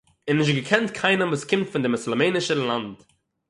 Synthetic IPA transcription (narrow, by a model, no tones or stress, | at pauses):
ɪnːɪʃ̬tɡəkʰɛntkʰaɪnəmvuːskʰɪmtfɪndɪmʊslˠəmeɪnɪʃəlˠant